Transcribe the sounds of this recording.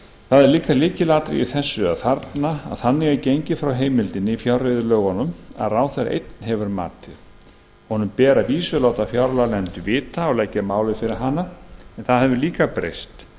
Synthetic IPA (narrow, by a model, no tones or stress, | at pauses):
θaðɛɾliːkaliːcɪlaːt̪ɾɪ̰ḭθɛsːʏa̰ðfaɾt̪naa̰ðθanːɪɣacejɲcɪfɾawɦeːjmɪlt̪ɪnːɪifjarːɪðʏlœːɣɔnʏma̰ðraːwθɛɾa̰ʔḛjt̪nɦɛvʏɾma̰ːt̪ɪɾ̥ | hɔnʏmpɛːɾaviːsʏlaːwt̪afjaɾlalɛnt̪ʏvɪːt̪aɔlɛcːamaːwlɪfɪɾɪɾ̥ɦanːaɛnθaðɦɛvʏliːkapɾḛjst̪